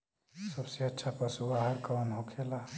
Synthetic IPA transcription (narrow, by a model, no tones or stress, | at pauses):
səbseətːʃʰapəsubaɦəɾkɔnɦokʰela